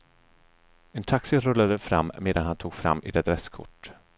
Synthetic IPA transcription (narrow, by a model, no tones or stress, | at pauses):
ɛnt̪ʰaksɪɾɵlːad̪əfɾa̰mːmeːd̪anhant̪ʰuːɡfɾa̰mːɪ̰d̪ɛd̪ɾɛskʰʊ̰ʈː